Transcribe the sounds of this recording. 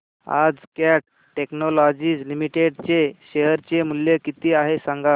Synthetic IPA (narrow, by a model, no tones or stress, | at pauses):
a̰d͡zkaʈ | ʈeknɔlɔd͡ʑiːd͡zlimiʈeɖt͡seɕeɦəɾt͡ɕemulːjekit̪iːaɦesaŋɡa